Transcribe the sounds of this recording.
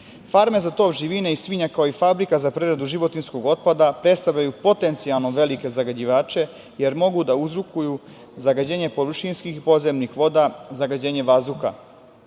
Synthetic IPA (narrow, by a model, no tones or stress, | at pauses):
faɾme̞zat̪o̞ːbʒiʋineisʋiɲakaoifabɾikazapɾeɾed̪uʒiʋo̞t̪insko̞ɡo̞t̪̚pad̪apɾe̞t̪st̪aʋʎajupo̞t̪e̞nt̪sialˠno̞ʋe̞likezaɡad͡ʑiʋaːt͡ʃe̞ | je̞ɾmo̞ɡud̪auzɾukuju | zaɡad͡ʑe̞ːɲe̞po̞ʋrʃinskixipo̞ze̞mnixʋo̞d̪azaɡad͡ʑe̞ːɲe̞ʋazuka̰